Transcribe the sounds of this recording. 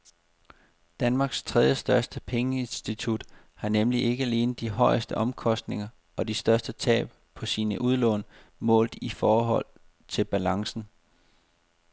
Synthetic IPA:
d̥ænmɑ̈ːɡ̥st͡sʰʁɛð̞ˠjəsd̥ɶɐsd̥əpʰeŋəe̝nsd̥it͡sʰud̥ | hɑ̈nemliʔe̝ɡ̥əæle̝ːnð̩ˠd̥iɦɒ̽ɪəsd̥əʔɒ̽mkʰɒ̽sd̥ne̝ŋɐ | ɒ̽disd̥ɶɐsd̥ət͡sʰɛ̰ːb̥ | pʰɒ̽siːnəʔuð̞ˠlɔ̰̽ːn | mɔ̰̽ːld̩ˠifɒːɦɒ̽l̰ | t͡sʰe̝lb̥ælɑ̈ŋsn̩

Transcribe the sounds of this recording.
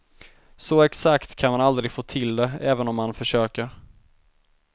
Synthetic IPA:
sɔɛksakt̪kʰanmanald̪ɾɪɡfoːt̪ʰɪld̪ɛɛːvənɔmːanfœʂøːkəɾ

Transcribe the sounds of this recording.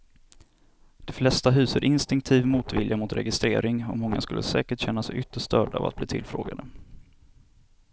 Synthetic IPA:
d̪̥ɛflɛst̪aɦʉ̟ːsəɾʔɪnst̪ɪŋk̚t̪ʰiːvmuːt̪vɪljamʊt̪ɾɛ̰ɡɪst̪ɾeːɾɪŋɔmːɔŋːa̰skɵlːʔəsɛːkəʈɕɛnːasɛʏt̪ːəʂt̪œːɖaa̰va̰t̪̚bliːt̪ʰɪ̰lfɾo̰ːɡad̪ə

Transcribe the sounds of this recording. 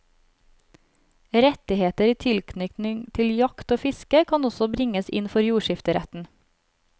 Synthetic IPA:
ɾɛt̪ɪheːt̪əɾiːt̪ʰɪlkʰnʏkt̪nɪŋt̪ʰɪljɑkt̪oːfɪskəkʰɑːnɔsɔbɾɪŋəsɪ̰nfɔɾjuːʃɪft̪əɾɛt̪n̩

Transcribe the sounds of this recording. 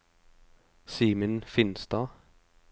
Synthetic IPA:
siːmənfɪnsd̪̥ɑː

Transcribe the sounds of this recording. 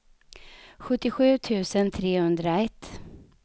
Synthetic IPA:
ɧɵt̪ːɪɧʉ̟ːt̪ʰʉ̟ːsənt̪ʰɾeːhɵnd̪ɾaɛt̪ː

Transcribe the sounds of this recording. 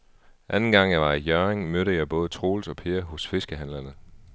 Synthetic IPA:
ʔænn̩ɡ̥ɑ̈ŋ̰jɑ̈ɪʋɑ̈ijœʁeŋmøɾəjɑ̈ɪb̥ɔ̽ːð̞ˠət͡sʰʁo̝ːlsɒ̽pʰe̝ːɐɦɔ̽sfe̝sɡ̥əɦænlɐnð̩ˠ

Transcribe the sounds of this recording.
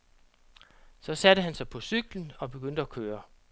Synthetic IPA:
sɒ̽sædəɦænsɑ̈ɪpʰɒ̽syɡ̥ln̩ɒ̽b̥e̝ɡ̥øn̰d̥əækʰøːɐ

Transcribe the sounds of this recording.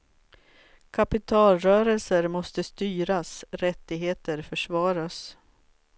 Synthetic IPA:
kʰapɪt̪ʰɑːlɾœːɾəlsəɾmɔst̪əst̪yːɾasɾɛt̪ːɪɡɦeːt̪əɾfœʂvɑːɾas

